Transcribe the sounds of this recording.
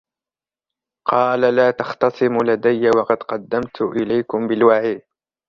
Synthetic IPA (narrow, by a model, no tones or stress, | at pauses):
qʰɑːlalaːt̪ɑxt̪ɑsˤɨmʊlad̪ajːawɑqɑd̪qɑd̪ːamt̪ʰʊʔɪlajkʊmbɪlwaʕiːd̪